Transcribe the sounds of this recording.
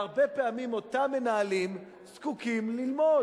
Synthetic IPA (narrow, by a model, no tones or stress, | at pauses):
aʁbepeamimo̞t̪amːe̞naalim | z̥kukimlilmo̞